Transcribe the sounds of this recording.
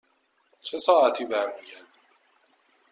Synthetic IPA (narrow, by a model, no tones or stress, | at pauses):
t͡ʃʰesɒːæt̪ʰiːbæɾmiːɟæɾd̪i